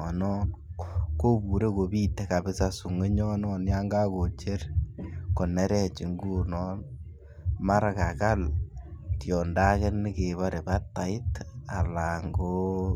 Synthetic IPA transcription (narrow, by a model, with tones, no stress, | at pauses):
ɔ˨nɔ˦nko˦bu˨ɾe˦ko˨bi˦tɛ˨ka˨bɪ˦sa˦su˨ŋe˦ɲɔ˦nɔ˦nja˦ŋɡa˦ko˨t͡ʃe˦ɾkɔ˨nɛ˦ɾɛ˦t͡ʃɪ˨ŋɡuː˦nɔ˦n | ma˦ɾa˨ka˨ka˦l | tjɔ˨nda˦ke˦nɪ˦ke˨βa˦ɾe˨ba˦tːa˨ɪ˦ta˨la˨ŋɡo